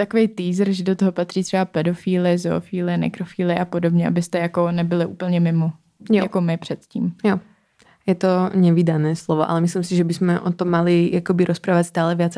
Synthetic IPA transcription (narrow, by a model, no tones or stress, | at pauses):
t̪akovejt̪iːzɾʒɛdot̪oɦopat̪r̥iːt̪r̥ɛbapɛdo̞fiːlɪzoːfiːlɪnɛ̰kɾofiːlɪʔapodobɲɛʔa̰bɪst̪ɛjakonɛbɪlɪʔuːpl̩ɲɛmɪmo | jjakomɪpr̝̥ɛt̪cḭːmjo | jɛt̪oɲɛvidanɛːslovoʔa̰lɛmislimsiʒɛbɪsmɛʔot̪omːalɪjakobɪɾospɾaːvatst̪aːlɛvjat͡s